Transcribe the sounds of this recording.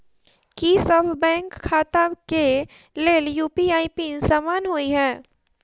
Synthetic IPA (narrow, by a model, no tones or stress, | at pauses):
kisɐbʱbɛ̃ːŋkʰːaːt̪ake | leːljuːpiaːipiːnsaːmaːnɦoːiɦɛ̃ː